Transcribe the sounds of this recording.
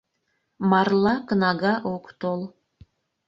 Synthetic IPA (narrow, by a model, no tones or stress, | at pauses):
mɑrlˠɑkənɑɡɑʔokt̪olˠ